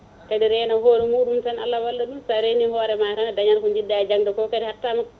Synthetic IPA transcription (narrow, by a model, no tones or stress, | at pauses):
kaɗiɾɛnahoːɾimuɗumsana̰lːawalːaɗumsaɾenihɔːɾɛmaɾaŋdaɲaɾkuɲd͡ʒidːad͡ʒaŋdɔkɔkadihatːama